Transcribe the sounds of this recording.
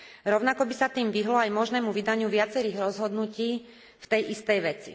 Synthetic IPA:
ɾɔʊnakɔbisat̪iːmʋiɦlɔajmɔʒnɛːmuʋid̪aɲɪuʋɪat͡sɛɾiːɣɾɔzɦɔd̪nuciː | ft̪ɛjʔist̪ɛjʋɛt͡sḭ

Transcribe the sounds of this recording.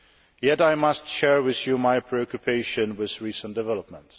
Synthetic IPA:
jɛɾaɪmʌstʃɛɹwɪðjumaɪpʰɹ̥iɔkjupʰeɪʃɨ̃nwɪðɹisə̃nd̥ɨvɛləp̚mə̃nt

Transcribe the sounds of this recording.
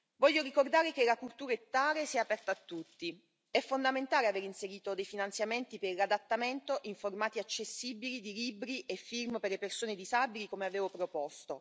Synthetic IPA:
vɔʎːoɾikord̪aːɾek̟elakult̪uːɾaet̪ːaːɾesiɛapɛrt̪aːt̪ːut̪ːi | ɛfːond̪ament̪aːleaveːɾinseɾiːt̪od̪ejfinant̪sjament̪ipeɾlad̪at̪ːament̪oʔiɱformaːt̪iat͡ʃːesːiːbilid̪iliːbɾiʔefːirmperlepersoːned̪izabilikomeaveːvopɾopɔst̪o

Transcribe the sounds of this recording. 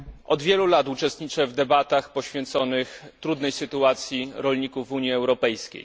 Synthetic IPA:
ʔɔd̪vʲjɛlulat̪ut͡ʂɛst̪ɲit͡ʂɛvd̪ɛbat̪axpɔɕfʲjɛnt̪sɔnɘxt̪ɾud̪nɛjsɘt̪uat̪sʲjiɾɔlɲikuvːuɲjiɛwɾɔpɛjskʲḛj

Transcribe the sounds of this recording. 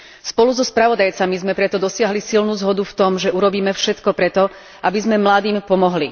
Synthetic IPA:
spɔluzɔspɾaʋɔd̪ajt͡samizmɛpɾɛt̪ɔd̪ɔsɪaɦlisilnuːzɦɔd̪uft̪ɔmʒɛuɾɔbiːmɛfʃɛt̪kɔpɾɛt̪ɔ | ʔabizmɛmlad̪iːmpɔmɔɦli

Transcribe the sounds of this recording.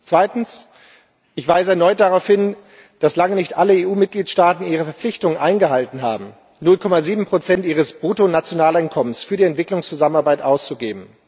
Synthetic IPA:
t͡sv̥aɪtn̩s | ʔɪçv̥aɪsəɛɐnɔʏt̚d̥aʁaʊfhɪn | d̥aslaŋənɪçtʔaləeːuːmɪt̚ɡ̥liːtʃtaːtn̩ʔiːʁ̞əfɛɐflɪçtʊŋənʔaɪnɡəɦaltn̩ɦa̰ːbm̩ | nʊlkʰɔmaziːbm̩pʁ̥ot͡sɛntʔiːʁ̞əsb̥ʁutonat͡sjonaːlaɪnkʰɔmənsfyːɐdiɛntv̥ɪklʊŋst͡suzamənaɐbaɪtʔaʊst͡suɡeːbm̩

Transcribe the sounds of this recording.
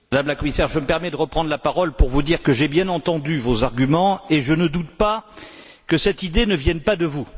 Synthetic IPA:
mad̪amlakɔmisɛʁʒəməpɛʁmɛd̪əʁəpχɑ̃d̪ʁlapaʁɔlpuʁvud̪iʁkəʒebjɛ̃nɑ̃t̪ɑ̃d̪yvozaʁɡʲymɑ̃eʒənəd̪ut̪̚pa | kəsɛt̪id̪enəvjɛnpad̪əvu

